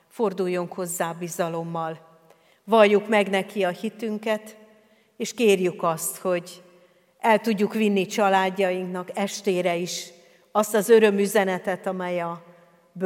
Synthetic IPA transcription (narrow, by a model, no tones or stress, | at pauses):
fo̞rd̪ujːo̞ŋkho̞zːaːbizɒlo̞mːɒl | vɒlːukmɛɡnɛkiɒhit̪yŋkɛt̪ | eːʃkeːrjykɒst̪ho̞ɟ | ɛlt̪uɟːukʋinːit͡ʃɒlaːɟːɒjiŋknɒkɛʃt̪eːɾɛiʃ | ɒst̪ɒzø̞ɾø̞myzɛnɛt̪ɛt̪ɒmɛjɒ | b